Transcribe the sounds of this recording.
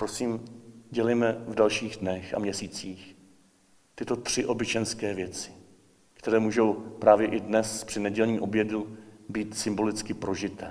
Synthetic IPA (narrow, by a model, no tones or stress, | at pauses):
pɾo̞siːmɟɛlɛjmɛvdalʃiːɣdnɛxa̰mɲɛsiːt͡siːx | t̪ɪt̪o̞t̪r̝̥ɪʔo̞bɪt͡ʃɛnskɛːvjɛt͡sɪ̥ | kt̪ɛɾɛːmuːʒo̞wpɾaːvjɛʔɪdnɛspr̥ɪnɛɟɛlɲiːʔo̞bjɛdubiːt̪sɪmbo̞lɪt͡skɪpɾo̞ʒɪt̪ɛː